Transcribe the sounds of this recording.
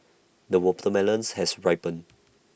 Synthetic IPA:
dəwɔptəmɛlə̃nshɛsɹaɪpə̃n

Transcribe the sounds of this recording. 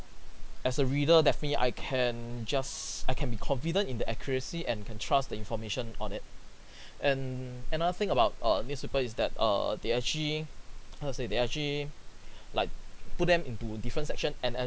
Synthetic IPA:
ɛsəɹidədɛfənətliʔa̰ɪkʰɛ̃nd͡ʒasaɪkʰɛ̃nbikʰɔ̃nfidə̃ntĩndəʔɛkʰjəɹəsiʔɛ̃nkʰɛ̃ntʰɹasdəĩnfɔmeʃə̃nɔ̰̃nɪt̚ | ʔɛ̃nənaðəθɪ̃ŋəbaʊt̚ʌnjuspepəlisdɛt̚ʌ̰deɛk̚t͡ʃəliasedeɛk̚t͡ʃəli | laɪk̚put̚dɛ̃mĩntudifɹə̃ntsɛk̚ʃə̃nɛ̃nɛ

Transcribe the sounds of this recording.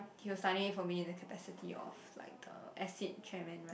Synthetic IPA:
hiəsaɾĩŋĩfɔmiɪ̃ndəkʰəpɛsitʰiɔ̰fla̰ɪk̚ə̰ʔɛsit̚t͡ʃʰɛmɛ̃nɹ

